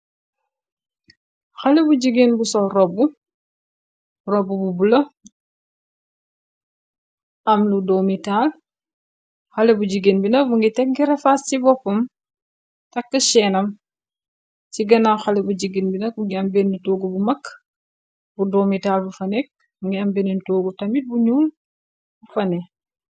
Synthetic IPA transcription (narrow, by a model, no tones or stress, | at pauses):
xɐlɛbuɟiɡinbusɔrɔbu | rɔbububulɐ | ɐmludɔːmitaːl | xɐlɛbuɟiɡinbinɐk̚buŋɡitɛk̚ɡiɾɛfastibɔpːɐm | tɐkːəʃɛːnɐm | siɡɐnaxalebuɟiɡinbinɐk̚buŋɡiɐmbenːitoːɡubumɐkː | budomitalbufɐnɛk̚ | buŋɡiɐmbenintoːɡutɐmit̚buɲuːl | bufɐnɛ